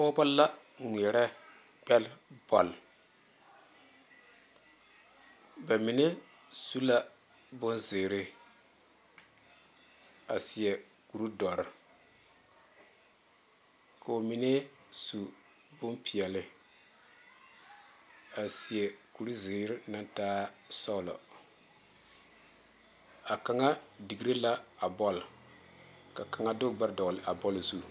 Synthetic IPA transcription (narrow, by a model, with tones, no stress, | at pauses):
o˦ba˦la˦ | ŋʷ˨ɛ˨ɾɛ˦ | ɡ͡bɛ˦lb̥ɔ˨l | ba˨mi˨ne˦ | su˦la˦˨ | bʊ˦nze˨ɾɪ˦ | a˨si˨ɛ˨ | ku˨ɾu˦dɔ˨ɾɪ˨ | ka˨o˨mi˨ne˦ | su˨ | bʊ˦mpi˨ɛ˨lɪ˦ | a˨si˨ɛ˨ku˨ɾu˦zɪ˨˦ɾɪ˦na˦ntaː˦sɔ˦˨lɔ̰˨ | a˨ka˨ŋa˦di˨ɡi˦ɾe˦la˦a˨bɔ˦l | ka˨ka˨ŋa˦dʊ˦ɡ͡ba˦ɾdɔ˨ɣlɪ˨ʔa˨bɔ˦lzu˦˨